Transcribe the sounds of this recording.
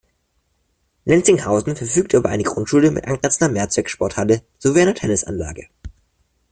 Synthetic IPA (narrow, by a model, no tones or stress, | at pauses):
lɛnsɪŋhaʊzn̩fɛɐfyːk̚tʔyːbɐʔa̰ɪnəɡʁʊntʃuːləmɪ̰tʔa̰ŋɡʁɛt͡sn̩dɐmɛɐt͡sv̥ɛksʃpɔɐthalə | z̥oviːʔaɪnɐtʰɛnɪsʔa̰nla̰ːɡə